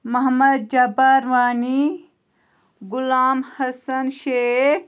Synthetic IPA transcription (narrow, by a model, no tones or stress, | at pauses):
mɐɦmɐd̪̚d͡ʒɐbaɾʋaːni | ɡʊlaːmhɐsɐnʃeːk̚